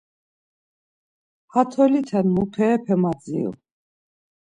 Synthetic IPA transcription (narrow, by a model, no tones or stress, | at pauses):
hat̪ʰɔlit̪ʰɛnmupʰɛːpʰɛmad͡zḭl